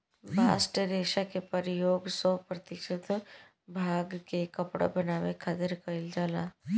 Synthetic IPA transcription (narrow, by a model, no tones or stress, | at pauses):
bʱa̰ːsʈəɾeːʃakepɐɾjoːɡsɔpɾɐt̪ɪʃət̪ | bʱaːɡkekɐpɽa̰bɐnaːʋekʰaːt̪ɪɾkɐɪld͡ʒaːlaː